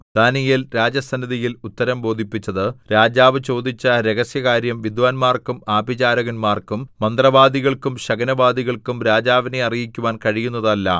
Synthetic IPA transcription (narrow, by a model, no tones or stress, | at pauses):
d̪̥aːnijilɾaːd͡ʑjɐsɐnɐðijilut̪ːɐɾɐmbo̞ːd̪ʱipːit͡ɕːɐðɨɾaːd͡ʑaːʋɨt͡ɕo̞ːd̪it͡ɕːɐɾe̞ɣɐsjɐɣaːɾjɐmʋid̪ʋaːnmaːrkumaːbʱit͡ɕaːɾɐɣɐnmaːrkumːɐnd̪rɐʋaːd̪iɣɐɭkumɕɐɡɐnɐbaːd̪iɣɐɭkumɾaːd͡ʑaːʋineɐrijikʲːuʋaːnkɐɻijun̪ːɐðɐlːɐ̰